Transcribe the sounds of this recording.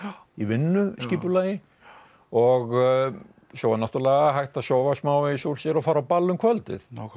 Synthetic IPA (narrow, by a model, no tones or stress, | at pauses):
ivɪnːʏsciːpʏlaːjɪ | ɔɣ | sɔwvanɔht̪ʏlɛːɣaɦajht̪asɔːwvasmaːwɪsuɾ̥sjɛɾɔfaːɾawpalːʏmkʰvœlt̪ɪ̰θ